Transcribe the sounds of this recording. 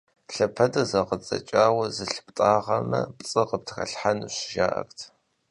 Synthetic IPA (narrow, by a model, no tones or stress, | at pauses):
ɬɐpʰɐdɨzɐqət͡sʼɐ̰t͡ʃʼaːwɐzɨɬɨptʼaːʁɐmɐ̰pʼt͡sʼɨqəp̚tʰxɐ̰ɬħanɨɕɪʒaːʔɐ̰xtʰ